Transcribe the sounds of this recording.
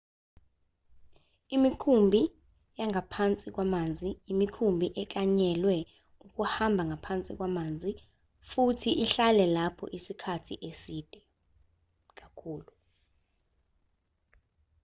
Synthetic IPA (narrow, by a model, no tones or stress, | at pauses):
imikʰumbʱi | jaŋʱapʰant͡sʼik̬wamand͡zʱijimikʰumbʱiʔɛkʼaɲɛlwɛ | uk̬ʼuhambʱaŋɡʱapʰant͡sʼik̬wamaːnd͡zʱi | futʰiʔiɬalɛlapʰɔ̰ʔisikʰatʰḭʔesiːd̥ʱɛ | k̬ʼakʰuːlu